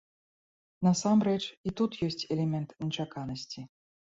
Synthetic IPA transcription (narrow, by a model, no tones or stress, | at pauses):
nɐsamɾɛt͡ʂit̪ut̪jɔsʲt͡sʲɛlʲɛmʲɛnt̪nʲɛt͡ʂakanɐsʲt͡sʲi